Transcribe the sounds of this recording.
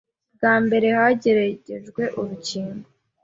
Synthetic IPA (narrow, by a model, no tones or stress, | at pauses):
ɡaːmbe̞ɾe̞haɟe̞ɾaɟe̞ʒɡwe̞ʔuɾuciːmbo